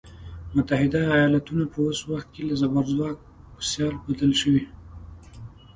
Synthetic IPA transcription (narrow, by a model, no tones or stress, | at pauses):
mʊt̪ahɪd̪aːjɑlat̪unapəwoswaxt̪̚kelazabaɾzwɑk̚ | pəsjɑlbad̪əlʃəwi